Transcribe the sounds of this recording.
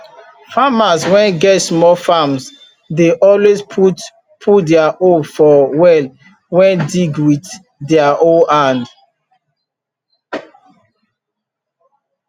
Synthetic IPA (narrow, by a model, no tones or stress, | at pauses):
famaswɛ̃nɡɛtsmɔlfams | deʔɔlwespu | pʰutdɛaʔofɔwɛl | wɛ̃ndiɡwit | dɛaʔoãnd